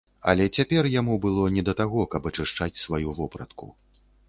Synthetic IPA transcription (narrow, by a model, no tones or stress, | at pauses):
ɐ̰lʲɛt͡sʲapʲɛrjamubɨlˠɔnʲɛd̪ɐt̪aɣɔkɐbɐt͡ʂɨʂt͡ʂat͡sʲsvajuvɔpɾɐt̪kṵ